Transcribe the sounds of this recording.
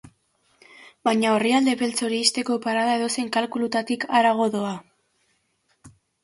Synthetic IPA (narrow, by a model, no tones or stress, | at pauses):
bajɲao̞riald̪e̞βe̞lt͡so̞ɾiːst̪e̞ko̞paɾaðae̞ðo̞se̞ŋkalkulut̪at̪ikaɾaɣ̞o̞ðo̞a